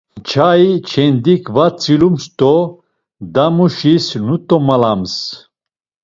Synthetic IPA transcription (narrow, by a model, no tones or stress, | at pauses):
t͡ʃʰait͡ʃʰɛnd̪ikʰvat͡sʼilumst̪ʼɔ | d̪amuʃisnut̪ʼɔmalams